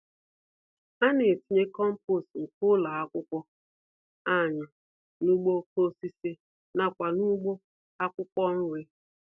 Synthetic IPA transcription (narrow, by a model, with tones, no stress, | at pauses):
a˦nɪ˨ti˨ɲe˦kɔ˦m̩˦po˦˨stŋ̩˨kʊ˦la˨a˦kʷʊ˦kʷɔ˦ | a˦˨ɲa˨ | nu˦ɡ͡bo˦ko˦si˦se˦ | na˦kʷa˨nu˦ɡ͡bo˦ | a˦kʷʊ˦kʷɔ˦n̩˦we˦